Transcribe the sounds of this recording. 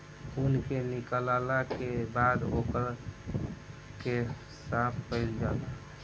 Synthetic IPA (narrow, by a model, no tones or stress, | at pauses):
unkenikəlalakebad̪okəɾ | ke | sapʰpəɪld͡ʒala